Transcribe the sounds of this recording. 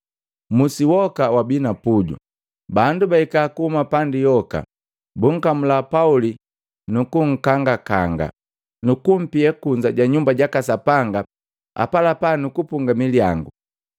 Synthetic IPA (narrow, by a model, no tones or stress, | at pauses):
musiwɔkawabinapuɟṵ | bandubaikakuhumapandijɔka̰ | buŋ̩kamulapauli | nukuŋ̩kaŋɡakaŋɡa̰ | nukum̩piɛkuɲd͡ʒaɟaɲumbaɟakasapaŋɡa | a̰palapanukupuŋɡamiliaŋɡu